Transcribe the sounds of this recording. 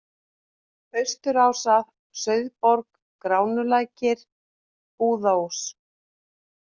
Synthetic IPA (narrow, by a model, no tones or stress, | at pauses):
œɥst̪ʏɾaːwsað | sœɥðpɔɾk | kɾaːwnʏlaːjcɪɾ̥ | uːðaws